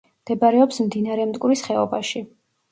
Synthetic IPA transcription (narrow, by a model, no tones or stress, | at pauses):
md̪̥ɛbaɾɛɔpsmd̪inaɾɛmd̪t̪ʼkʼuɾisχɛɔbaʃi